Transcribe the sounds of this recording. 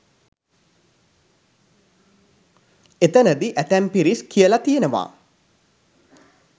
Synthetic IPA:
et̪ənəd̪iʔæt̪æmpiɾiskʰijəlat̪ijənəʋa̰ː

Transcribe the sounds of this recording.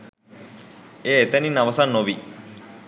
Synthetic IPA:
eet̪ɐninɐʋɐsanːoʋi

